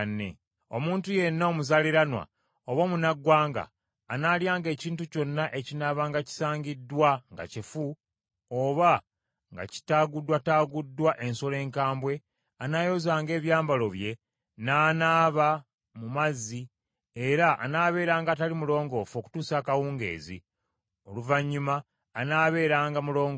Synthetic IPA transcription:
nːḛ | o̞muːntuje̞nːomuzaliɾanwa̰ | oβomunaɡwaːŋɡa̰ː | naljaːŋɡe̞ːciːntuco̞nːaʔe̞cinaβaŋɡaci̥saːɲɟidːwaŋɡa̰cifu | oβa | ŋɡa̰ci̥taːɡudːwataːɡudːwaʔe̞nso̞le̞ːŋkaːmbwe̞ | anaːjo̞zaːŋɡe̞ːβjaːmbalo̞βje̞ | naːnaːβa | mumazːi | e̞ɾaʔːnaːβe̞ːɾaːŋɡaːtalimulo̞ːŋɡo̞fo̞ku̥tuːsaːkawuːŋɡe̞̰ːzḭ | o̞̰luvaɲːumaː | naːβe̞ːɾaːŋɡamulo̞ːŋɡ

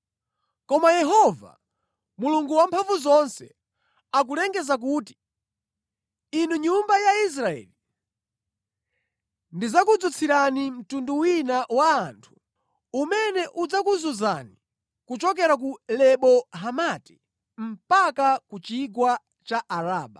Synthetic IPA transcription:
kɔmajɛɦɔva̰ | muluŋɡuwampʰaɱvuzɔnsɛ̰ | ak̬ulɛŋɡɛzak̬uːti̥ | inuɲumbajais̬ɾaɛ̰ːli | ndizakud͡zut͡sʰiɾanim̩tunduwinawaːntʰu̥ | umɛnɛʔud͡zakuzuza̰ni | kut͡ʃɔk̬ɛɾak̬ulɛɓɔɦamati̥ | m̩pakakut͡ʃiɡwa | t͡ʃaʔaɾaːɓa

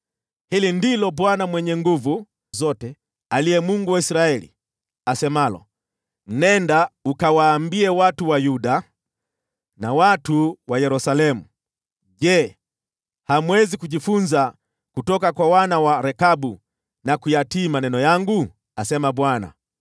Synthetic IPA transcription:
hilindilɔɓwanamwɛɲɛŋɡuvu | zɔtɛ | alijɛmuŋɡuwaisɾaɛlḭ | asɛmalɔ̰ | m̩nɛndaukawaːmbiɛwatuwajuɗa | nawatuwajɛɾusalɛmu | ʄɛ | hamwɛzikuʄifunza | kutɔkakwawanawaɾɛkaɓu | nakujatiːmanɛnɔjaŋɡu | asɛmaɓwana̰

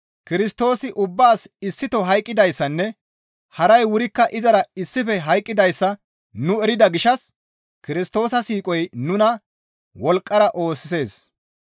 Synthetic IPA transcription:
kɪɾɪst̪o̞ːsɪʔʊbːaːsɪsːɪt̪ɔɦɐjkʼːɪd̪ɐjsːɐnːɛ | hɐɾɐjwʊɾɪkːɐʔɪzɐɾɐɪsːɪfɛɦɐjkʼːɪd̪ɐjsːɐ | nʊɛɾɪd̪ɐɡɪʃɐs | kɪɾɪst̪o̞ːsɐsiːkʼɔjnʊnɐ | wɔlkʼːɐɾɐʔo̞ːsːɪse̞ːs

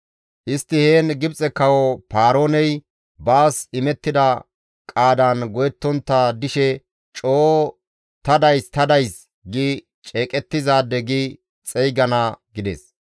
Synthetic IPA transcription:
ʔɪst̪ːɪheːnɡɪbt͡sʼɛkːɐwɔpaːɾo̞ːnɛj | baːsɪmɛt̪ːɪd̪ɐ | kʼaːd̪ɐnɡɔjɛt̪ːɔnt̪ːad̪ɪʃɛ | t͡ʃʼoː | t̪ɐd̪ɐjst̪ɐd̪ɐjs | ɡɪ | t͡ʃʼeːkʼɛt̪ːɪzaːd̪ːɛɡɪ | t͡sʼɛjɡɐnɐɡɪd̪ɛ̰s

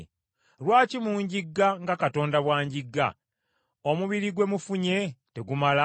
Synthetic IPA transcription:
lwaːcimuːɲɟiɡːaŋɡakato̞ːndaβwaːɲɟiɡːa̰ | omuβiɾiɡwe̞mufuɲe̞te̞ɡumala

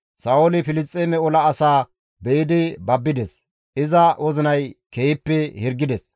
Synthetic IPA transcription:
saːwɔlɪpɪlɪst͡sʼːeːmɛɔlɐːsaː | bɛjɪd̪ɪbɐbːɪd̪ɛs | ʔɪzɐwɔzɪnɐjkejɪpːɛhɪɾɡːɪd̪ɛs

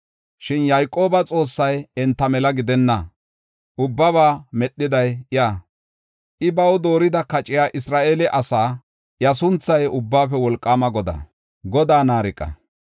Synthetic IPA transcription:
ʃɪnjajkʼːo̞ːbɐt͡sʼo̞ːsːɐjɛnt̪ːɐmɛlɐɡɪd̪ɛnːɐ | ʔʊbːɐβaːmɛɗːɪd̪ɐjɪjaː | ʔɪbɐwʊd̪o̞ːɾɪd̪ɐkɐt͡ʃʼɪjaːʔɪsɾaːʔeːlɛʔɐsaː | jɐs̬ʊnt͡sːɐjʊbːaːfɛwɔlkʼːaːmɐɡɔd̪ɐ̰ | ɡɔd̪aːnaːɾɪkʼːɐ̰

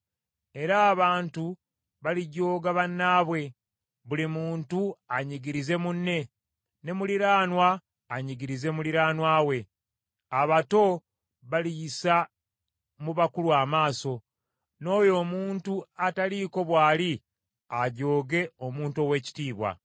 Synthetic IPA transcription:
e̞ɾaːβaːntu | βaliɟo̞ːɡaβanːaːβwe̞ | βulimuːntuaɲiɡiɾize̞munːe̞ | ne̞muliɾaːnwaː | ɲiɡiɾize̞muliɾaːnwaːwe̞ | aβato̞ | βalijisa | muβakuluamaːso̞ | no̞ːjo̞ːmuːntuataliːko̞βwaːli | aɟo̞ːɡe̞o̞muːntuo̞we̞ːci̥tiːβwa̰

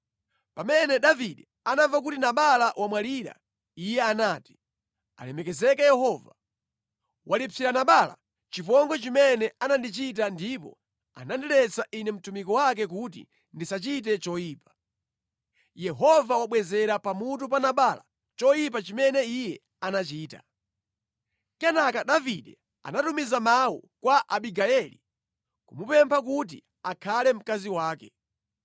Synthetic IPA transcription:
pamɛnɛɗaviɗɛ | anavak̬utinaɓalawʔamwaliɾa̰ | ijɛanaːti̥ | a̰lɛmɛkɛzɛkajɛɦɔva | walit͡siɾanaɓaːla̰ | t͡ʃipɔŋɡɔt͡ʃimɛnɛanandit͡ʃit̬andipɔ̰ | a̰nandiɾɛt͡saʔinɛm̩tumikɔwak̬ɛk̬ut̬ḭ | ndisat͡ʃit̬ɛt͡ʃɔjiːpḁ | jɛɦɔvawaɓwɛzɛɾapamut̬up̬anaɓaːla̰ | t͡ʃɔjip̬at͡ʃimɛnɛijɛ | anat͡ʃiːta̰ | kɛnakaɗaviɗɛ | a̰natumizamawɔ̰kwaʔaɓiɡaɛlḭ | kumupɛmpʰak̬ut̬ḭ | akʰalɛm̩kaziwaːkɛ

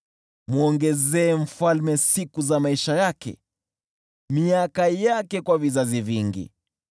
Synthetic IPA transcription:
muɔŋɡɛzɛːɱ̩falmɛsikuzamaiʃajakɛ̰ | miakajakɛkwavizaziviŋɡḭ

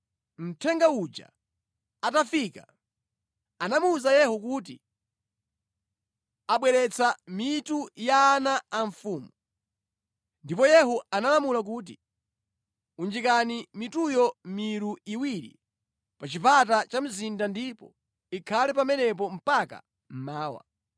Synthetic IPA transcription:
m̩tʰɛŋɡaud͡ʒa̰ | atafika̰ | anamuzajɛhuk̬uːt̬i | aɓwɛɾɛt͡sʰamitujaːnaːɱfuːmu | ndipɔjɛɦuanalamulak̬uːt̬i | und͡ʒikanimitujɔmiɾuiwiɾḭ | pat͡ʃipatat͡ʃam̩zindandipɔ | ikʰalɛpamɛnɛp̬ɔm̩paka̰ | m̩maːwa̰

